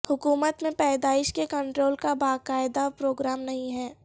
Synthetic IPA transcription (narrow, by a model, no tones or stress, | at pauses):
hʊkuːmət̪mẽpɛːd̪aːɪʃkekɐ̃ɳʈɾoːlkabaːkaːɪd̪apɾoːɡɾaːmnɐɦĩɦɛː